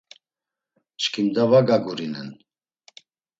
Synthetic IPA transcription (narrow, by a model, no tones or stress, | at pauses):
t͡ʃkʰimd̪avaɡaɡuɾinɛ̰n